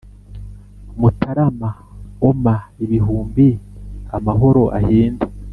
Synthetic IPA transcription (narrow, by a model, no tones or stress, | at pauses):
mutaɾamaomaiβiɦuːmbiamaɦo̞ɾo̞ʔa̰hiːnde